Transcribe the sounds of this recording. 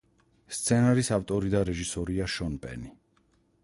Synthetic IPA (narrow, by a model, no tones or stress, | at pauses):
st̪sʰɛnaɾisaft̪ʼɔɾid̪aɾɛʒisɔɾiaʃɔnpʼɛ̰ni